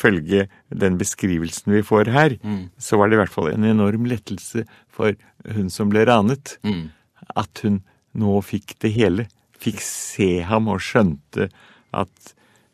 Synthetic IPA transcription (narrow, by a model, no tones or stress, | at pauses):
fœlɡə | d̪ɛnbəskɾiːʋəlsn̩ʋɪfoːɾɦæːɾsɔʋɑɖɛʋæʈfɑ̰lɛ̰nɛnɔɾmlɛt̪ːl̩sə | fɔɾ | hʉnsɔmblɛɾɑːnət̪ | ɑ̰t̪hʉnː | oːfɪkːd̪ɛɦeːlə | fɪkːseːɦɑmɔʂœnt̪ʰə | ʔɑ̰t̪